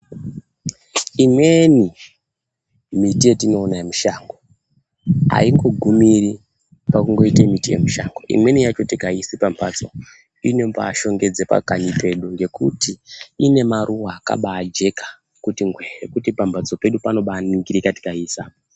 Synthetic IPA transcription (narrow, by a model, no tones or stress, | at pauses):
imwe̞ni | mitijetino̞ːnamuʃaŋɡo | a̰iŋɡo̞ɡʱumiri | pakuŋɡo̞itemitije̞̰muʃaŋɡoʔḭmwe̞nijat͡ʃo̞tikaisipampʰad͡zo̞̰ | inepa̰ʃo̞ŋɡe̞d͡zepa̰kaɲipe̞ɗuŋɡe̞kutiːne̞maɾʔuwaːka̰ɓaːd͡ʒe̞kḁ | kutiŋɡwerekutipambʱad͡zo̞pe̞ɗupano̞ɓaniŋɡiɾikati̥kaiːsa